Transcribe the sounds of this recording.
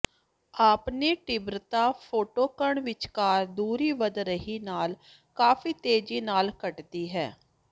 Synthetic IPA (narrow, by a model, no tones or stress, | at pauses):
aːpneːʈɪbɾt̪aːpʰoːʈoːkəɳʋɪt͡ʃkaːɾd̪uːɾiːʋəd̪ɾəɦiːnaːl | kaːfiːt̪eːd͡ʒiːnaːlkəʈd̪iːɦɛː